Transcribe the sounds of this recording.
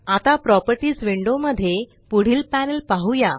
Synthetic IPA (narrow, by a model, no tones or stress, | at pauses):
at̪apɾɔpəɾʈiːd͡zʋiɳɖoməd̪ʱːje | puɽ̤iːlpænəlpaɦuja